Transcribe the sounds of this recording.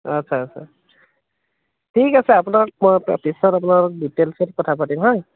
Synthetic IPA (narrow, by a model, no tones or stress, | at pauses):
ətːsʰaːsʰa̰ | tʰikasɛapunak̚mɔj̰pisɔtap̬unaɹditelsʰetkɔtʰapatimɦɔj